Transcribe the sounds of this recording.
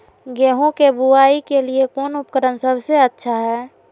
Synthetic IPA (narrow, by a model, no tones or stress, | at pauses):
ɡeɦõkebuaːikeliekoːnʊp̚kəɾənsəbʱseətːʃʰaɦɛː